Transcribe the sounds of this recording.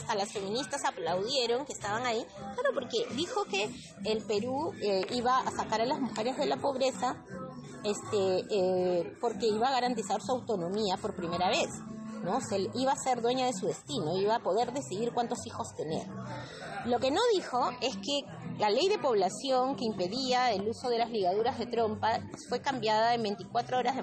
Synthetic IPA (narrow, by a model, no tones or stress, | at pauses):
ast̪alasfe̞mĩnist̪asaplawðje̞ɾo̞ŋkeːst̪aβaŋaiklaɾo̞po̞ɾke̞ðixo̞ke̞ː | lpe̞ɾuiβaasakaɾalazmuxe̞ɾe̞zðe̞lapo̞βɾe̞sa | est̪e | po̞ɾke̞iβaːɣaɾant̪̬isaɾsuawt̪o̞no̞miapo̞ɾpɾime̞ɾaβ̞e̞sno̞seiβaːse̞ɾðwe̞ɲað̞e̞suðe̞st̪ino̞iβaːpo̞ð̞e̞ɾðe̞siðiɾkwant̪o̞sixo̞st̪e̞nḛɾ | lo̞ke̞no̞ðixo̞e̞ske̞ | lale̞jðe̞po̞βlasjo̞ŋkeimpe̞ðiaeluso̞ð̞e̞lazliɣaðuɾazðe̞t̪ɾo̞mpafwe̞kambjað̞ae̞mbent̪ikwat̪ɾooɾazðe